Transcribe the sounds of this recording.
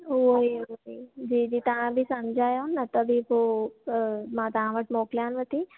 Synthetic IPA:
oioid͡ʒiːd͡ʒiːt̪ɐɦãbʱisɐmd͡ʒʱaːjonːət̪əbʱipo | mãt̪aɦãʋəʈmoːkljãːnʋət̪i

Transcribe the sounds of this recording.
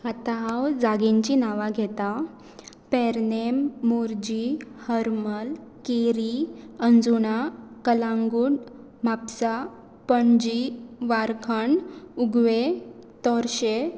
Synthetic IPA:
at̪aɦawd͡zaɡiɲt͡ɕinaʋaɡʱɛt̪a | pɛɾnemːoɾd͡ʑihəɾməlkeɾiənd͡zuɽakəlãŋɡuɽ | m̤apsa | pəɳd͡ʑiʋaɾkʰəɳuɡʋet̪ɔɾɕe

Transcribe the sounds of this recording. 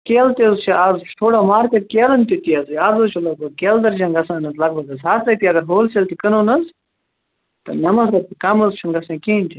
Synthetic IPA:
keːlt̪ezt͡ʃʰiaːzt͡ʃʰʈ̪ʰoːɽaːmaːɾkɐt̪̚keːlɐnt̪ʲit̪iɐzazot͡ʃʰulɐɡ̚bɐɡ̚keːld̪ɐɾd͡ʒɐŋɡɐsãːnɐzlɐɡ̚bɐɡɐzɦaːt̪ʰɐt̪iɐɡɐɾɦoːlselt̪ikənoːnɐz | t̪ɐ̰nɐmɐsɐt̪ikɐmɐzt͡ʃʰɐŋɡɐsãːkeːnʲt̪i

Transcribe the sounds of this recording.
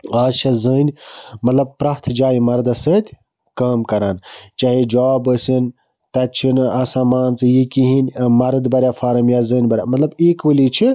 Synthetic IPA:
aːd͡ʒt͡ʃʰɐzəːnʲmɐt̪lɐb̚pɾaɦt̪ʰd͡ʒaːjimɐɾd̪asəːt̪ʲ | kaːmkɐɾaːnt͡ʃɐɦid͡ʒaːbəsɨn | t̪ɐt͡ʃʰinɐsãːmaːnt͡sɨjikiɦinʲmɐɾd̪bɐɾʲafʰaːɾɐmjaːzɨːnʲbɐɾʲja̰mɐt̪lɐbeːkʋəlit͡ʃʰi

